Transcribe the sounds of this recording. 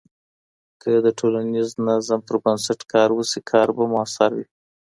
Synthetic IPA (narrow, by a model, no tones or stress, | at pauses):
kʰəd̪əʈʰolaniznazampəɾbənsaʈkɑɾwusikʰɑɾbamʊɑsɑɾwi